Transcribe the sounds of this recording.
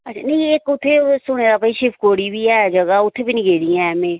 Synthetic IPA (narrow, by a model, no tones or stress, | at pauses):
ətːt͡ʃʰaːnɐĩeːkʊt̪ʰeːsʊɽ̃eːɾaːpəiʃɪpʰkoːɽiːbʱiːaːd͡ʒəɡaːʊt̪ʰːeːbinĩɡeːɽiːãmẽ